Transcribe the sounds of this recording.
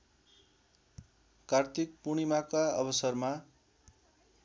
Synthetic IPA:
kart̪ʰik̚puɽ̃imakaʌ̰bʌsʌrma

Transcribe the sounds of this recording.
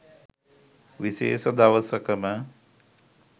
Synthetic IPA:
ʋiʃḛːsəd̪ɐʋəsəkəmə

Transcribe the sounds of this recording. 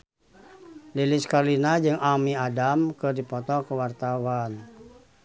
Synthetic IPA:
liliskalinad͡ʒɨŋamiadamkədipɔt̪ɔkəwart̪awan

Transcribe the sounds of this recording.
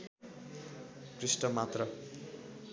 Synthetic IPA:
krisʈʌmat̪rʌ

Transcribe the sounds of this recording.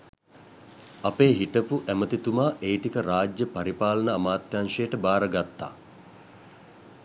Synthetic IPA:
apeːɦiʈəpuʔæmət̪it̪umaːʔejʈikəɾaːd͡ʒjəpaɾipaːlənəamaːt̪janʂejəʈəbaːɾəɡat̪ːa̰ː

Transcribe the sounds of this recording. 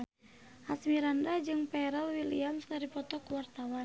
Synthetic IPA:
ʔasmiɾandad͡ʒɨŋpɛɾɛlwiliamskaɾipɔt̪ɔkuwart̪awan

